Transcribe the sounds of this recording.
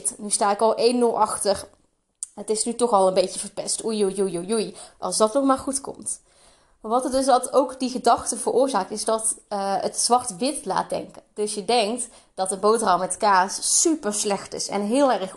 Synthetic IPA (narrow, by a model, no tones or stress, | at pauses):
tnystaːɪkɑlˠʔejnːɵlˠʔɑxtər | ətɪsnytɔχɑlˠənbejtəvəɹpɛstujujujujujʔɑ̰lˠzdɑtnɔχmaːɹχutkɔ̰mt | ʋɑtədɵsdɑtowkdiɣədɑxtəvərʔʊːɹzaːk̚tɪzdɑtətsʋɑrtʋɪtla̰ːt̚dɛ̰ŋkəd̥ɵsjədɛŋkt | d̥ɑtənbowtrɑwmɛtkaːsːypəɹslɛxtɪ̰sɛ̰nɦɪːlˠɛrχ